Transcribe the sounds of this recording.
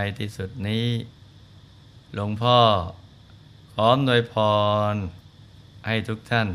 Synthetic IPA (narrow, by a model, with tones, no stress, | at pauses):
a˧jt̪ʰiː˦˩su˨˩t̪̚niː˦˥ | lo˧ŋpʰɔː˥˩ | kʰɔː˦˥mnu˧əjpʰɔː˧n | ha˥˩jt̪ʰu˦˥k̚t̪ʰa˥˩n